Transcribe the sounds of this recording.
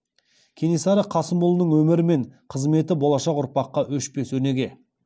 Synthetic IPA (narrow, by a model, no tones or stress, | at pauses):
kʲʰe̞nesɑɾəqʰɑsəmbʊlˠənəɴwɵmɪɾɪme̞ɴqʰəzme̞t̪ɪbo̞lˠɑʃɑqʊɾpɑqːɑwɵʃpe̞sɵɾne̞ɡʲe̞